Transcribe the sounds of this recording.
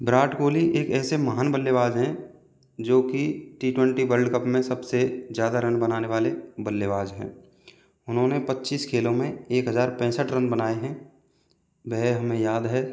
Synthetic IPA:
bɾaːʈkoːliʔeːkɛːsemɐɦaːnbəlːebaːd͡ʒɦɛ̃ | d͡ʒoːkiʈiːʈwɛ̃ɳʈibəɾɖkəpmẽsɐbsezjaːd̪aɾɐ̃nbɐnaːneʋaːlebəlːeʋaːd͡ʒɦɛ̰̃ː | ʊnɦõnepɐtːʃiːskʰeːlõmẽeːkɦəzaːɾpɛ̃ːsəʈɾə̃nbənaːeɦɛ̃ː | bɛɦeɦɐmẽjaːd̪ɦɛː

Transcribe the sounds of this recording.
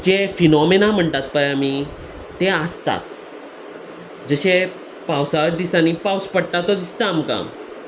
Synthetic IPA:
d͡ʑefinɔmenam̤əɳt̪at̪̚pajami | t̪eəst̪a̰t͡s | d͡zəɕe | pawsaɾd̪isanipawspəɽʈ̪at̪ːɔd̪ist̪aːmka̰m

